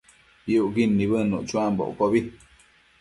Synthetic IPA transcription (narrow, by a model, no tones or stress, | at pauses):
iuʔɡinːiβənṵʔt͡ʃuambo̰ʔkoβi